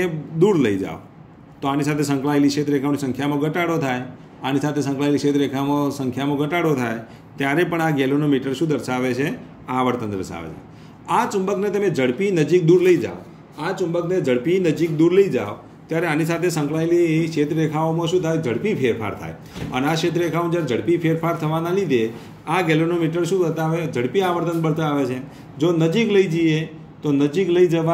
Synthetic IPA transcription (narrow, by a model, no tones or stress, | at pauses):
ed̪uɾləid͡ʒa̰ʋo | t̪oanisat̪ʰesə̃ŋklaeliʃet̪ɾekʰaʋonisə̃ŋkʰjamõɡəʈaɽot̪ʰaj | anisat̪ʰesə̃ŋkɭaeliʃet̪ɾekʰamõsə̃ŋkʰjamõɡʱəʈaɽot̪ʰaj | t̪jaɾepəɳaɡelonomiʈəɾʃũd̪əɾʃaʋet͡ʃʰe | aʋəɽt̪ənt̪ɾəsa̰ʋḛt͡ʃʰḛ | at͡ʃʊmbəknet̪əmed͡ʒəɽpinəd͡ʒik̚d̪uɾləid͡ʒa̰ʋo | at͡ʃʊmbəkned͡ʒəɽpinəd͡ʒik̚d̪uɾləid͡ʒa̰o | t̪jaɾeanisat̪ʰesə̃ŋklailieʃet̪ɾekʰaomõʃũt̪ʰajd͡ʒəɽpipʰeɾfʰa̰ɾt̪ʰa̰j | ə̰neaʃet̪ɾekʰaõmd͡ʒjaɾed͡ʒəɽpipʰeɾfʰaɾt̪ʰəʋanalid̪ʱe | akelonomiʈəɾʃũbəɾt̪aʋed͡ʒəɽpiaʋəɾt̪ənbənt̪aaʋet͡ʃʰe | d͡ʒonəd͡ʒikləid͡ʒie | t̪onəd͡ʒikləid͡ʒəʋa